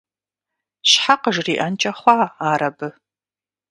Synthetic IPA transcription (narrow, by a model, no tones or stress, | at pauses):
ɕħaqəʐriːʔɐnt͡ʃʼɐχʷɑːaːɾɐbɨ